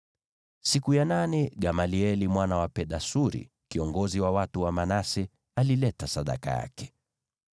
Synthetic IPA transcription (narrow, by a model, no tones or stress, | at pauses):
sikujananɛɡamaliɛlimwanawapɛɗasuɾḭ | kiɔŋɡɔziwawatuwamanasɛ | alilɛtasaɗa̰ka̰ja̰kɛ̥